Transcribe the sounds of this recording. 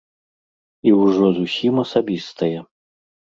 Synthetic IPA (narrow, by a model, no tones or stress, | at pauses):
iwʐɔzusʲimɐsabʲist̪ʰɐjɛ